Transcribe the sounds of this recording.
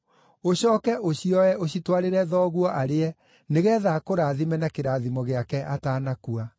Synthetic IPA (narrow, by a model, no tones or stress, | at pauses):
oɕɔːkɛʔoɕiɔɛoɕitwaɾeɾɛðɔɣuɔʔaɾeɛ | neɣɛðakoɾaːðimɛnakeɾaðimɔɣeakɛʔataːnakua